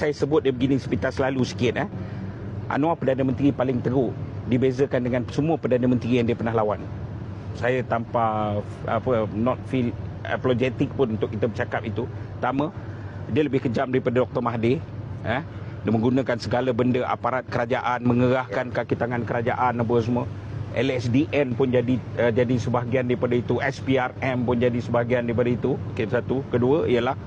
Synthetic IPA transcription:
sajasəbʊt̪̚diəbəɡinɪ̃spit̪alsəlalusə̥kiɪt̪əh | ʔa̰nõapədanamə̃nt̪ɾipalɪŋt̪əɾuʔdibezəkandəŋansəmũapədanamə̃nt̪ɾijaŋdiəpərnaɦlawan | sajat̪ampa | apənɔt̪̚filɛ̰plod͡ʒɛt̪ɪk̚pʊnunt̪ʊkit̪əmət͡ʃakap̚it̪u | t̪amə̃ | diələbɪhkəd͡ʒamdaɾipadadɔk̚t̪ɔrmaɦdeəh | damə̃ŋɡunãkansəɡalabəndəʔa̰paɾat̪̚kəɾad͡ʒaʔanməŋəɾahkankakit̪aŋãnkəɾad͡ʒaʔanap̬əs̬əmũwə | ʔɛlɛsdiʔɛnpʊnd͡ʒadiəd͡ʒadisəbaɦɡiandaɾipadait̪uʔɛspiarɛmpʊnd͡ʒadisəbaɦɡiandaɾip̬adait̪umkensat̪ukəduəiəlah

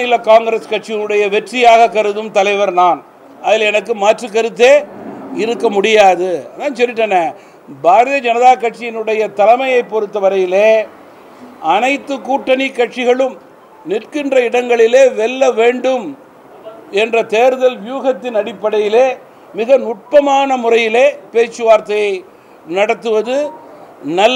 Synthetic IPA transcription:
ɪlːɐkaːŋɡɾeskɐʈ̚t͡ʃɪjɪnɯɽɐjɐʋɛʈrɪjaːɣɐkːɐɾɯðɯmt̪ɐlɐɪʋɐɾnaːn | ɐðɪlɛnɐk̬ːɯmaːʈrɯkɐɾɯt̪̬ːeːɪɾɯkːɐmʊɽɪjaːðɯɐðaːnsɔnːɪʈ̬ːɐnːɐ | baːɾɐðɐd͡ʒɐnɐðaːkɐʈ̚t͡ʃɪjɪnɯɽɐjɐt̪ɐlɐmɐjɐɪpːɔɾɯt̪ːɐʋɐɾɐjɪleː | ʔɐnɐɪt̪ːɯkuːʈːɐnɪkːɐʈʂɪɣɐɭɯm | nɪrkɪndrɐɪɽɐŋɡɐɭɪleːʋɛlːɐʋeːɳɖɯm | ɛndrɐt̪eːɾɯðɐlʋɪjuːɣɐt̪ːɪnɐɽɪpːɐɽɐjɪleː | mɪɣɐnʊʈ̚pɐmaːnɐmʊrɐjɪleːpeːt͡ʃːɯʋaːɾt̪ːɐjɐɪ | nɐɽɐt̪ːɯʋɐðɯ | nɐlː

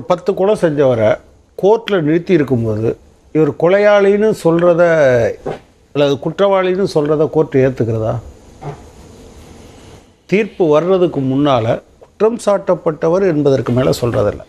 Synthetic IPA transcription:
pɐt̪ːɯkɔɭɐsɛɲd͡ʒɐʋɐɾɐ | koːʈːlɐnɪɽɯt̪ːɪjɪɾɯkːɯmpoːðɯ̰ | ɪʋɐɾɯkɔɭɐjaːɭɪnɯsɔlrɐðɐ | ɐlːɐðɯkʊʈrɐʋaːɭɪnɯsɔlrɐðɐkoːʈːɯeːɾt̪ɯkːɪɾɐða̰ː | t̪iːɾpɯʋɐɾɯrɐðɯkːɯmʊnːaːlɐ̰kʊ̥ʈrɐmsaːʈːɐpːɐʈːɐʋɐɾɛnbɐðɐrkɯmeːlɐ̰sɔlrɐ̰ðɪ̰lːɐ̰

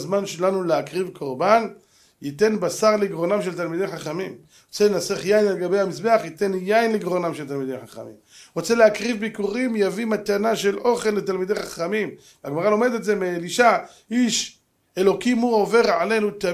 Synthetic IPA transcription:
zmanʃelanuleakʁivkʰo̞ʁban | jit̪e̞nbasaʁliɡʁo̞namʃelt̪almid̪e̞jħaχamim | ot͡selenaseχjainalɡabe̞jhamisbe̞aχjit̪e̞njajinliɡʁonamʃelt̪almide̞jħaχa̰mḭmʁot͡se̞leakʁivbikuʁimjavimat̪anaʃe̞lʔo̞χe̞lːet̪almid̪e̞jχaχamim | veaɡmaʁalo̞med̪etze̞meliʃa | ʔiʃ | e̞lo̞kimuʕo̞ve̞ʁʕale̞nut̪a

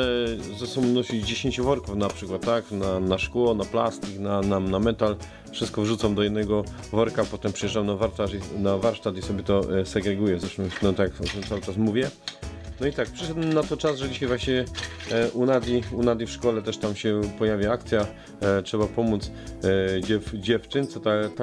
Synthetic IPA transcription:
zasɔmunɔɕid͡ʑd͡ʑeɕeɲt͡ɕuvɔɾkufnapʂɘkwat̪ːaknanaʂkwɔnaplast̪iknananamɛt̪al | fʂɨst̪̚kɔvʐut̪samd̪ɔjɛd̪nɛɡɔ | vɔɾkapɔt̪ɛmpʂɛjɛʐdamnavaɾt̪aʐinavaɾʂt̪at̪isɔbʲjɛt̪ɔsɛɡɾɛɡujɛzɛʂɘmnɔt̪akjakɔt̪t̪sawɘt͡ʂasmuvʲjɛnɔit̪ak̚pʂɘʂɛd̪nat̪ɔt͡ʂazʐɛd͡ʑiɕajvwaɕt͡ɕivʲɛʔunad̪lʲiunad̪lʲifʂkɔlɛt̪ɛʂt̪amɕɛpɔjavʲjaak̚t̪sʲja | tʂɛbapɔmut̪s | d͡ʑɛfd͡ʑɛft͡ʂɘnt̪sɔt̪at̪a

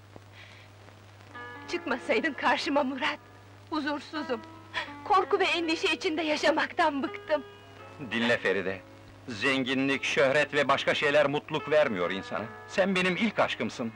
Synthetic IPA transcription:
t͡ʃʰɯkmasajd̪ɯmkʰaɾʃɯmamuɾat̪̚ | uzuɾsuzum | kʰo̞ɾkuvɛːnd̪iʃɛit͡ʃʰind̪ɛjaʃamakt̪anbɯkt̪ɯm | d̪inlʲɛfe̞ɾid̪ɛ | zɛɲɟinlʲicʃøhɾɛt̪vɛbaʃkʰaʃejlʲæɾmut̪lˠukvæɾmijo̞ɾinsa̰nɯsænbe̞nimilʲcʰaʃkʰɯmsɯn

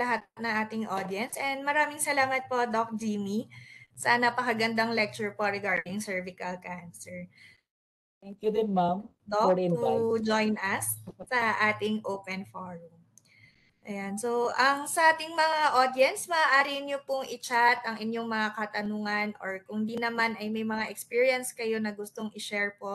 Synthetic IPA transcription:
lɐɦat̪nɐŋʔaːt̪ɪŋʔod̪jɛnsʔɛnd̪mɐɾaːmɪŋsɐlaːmɐt̪̚po̞d̪ok̚d͡ʒiːmisanɐpɐkɐɡɐnd̪aŋlɛk̚t͡ʃʊɹpoɾɛɡaɹd̪ɪŋsɛɹvɪkɐlkansɛɹ | t̪ɛŋkjʊd̪ɪnmam | d̪oɪd͡ʒojnɐssɐʔaːt̪ɪŋʔoːwpɛnfoɹʊm | ʔɐjansowʔɐŋsɐʔaːt̪ɪŋmɐŋaʔod̪jɛnsmɐʔaːʔaːɾiɲopʊŋʔɪt͡ʃat̪ɐŋʔɪɲjo̞ŋmɐŋakɐt̪ɐnuːŋɐnʔoɹkʊŋd̪inɐmanɐjmɐjmɐŋaʔɛkspiːɹiɐnskɐjo̞nɐɡʊst̪oŋʔɪʃɛɹpo̞

